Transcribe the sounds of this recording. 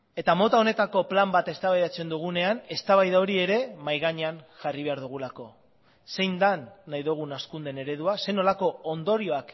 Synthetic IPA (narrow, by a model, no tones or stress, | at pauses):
e̞t̪amo̞t̪ao̞ne̞t̪ako̞plambat̪e̞st̪aβajðat͡se̞nd̪uɣ̞une̞ane̞st̪aβajðao̞ɾie̞ɾe̞majɣaɲeanʝariβ̞e̞aɾðuɣ̞ulako̞ | se̞jnd̪anːajðuɣ̞unaskund̪e̞ne̞ɾe̞ðuase̞no̞lako̞ond̪o̞ɾio̞ak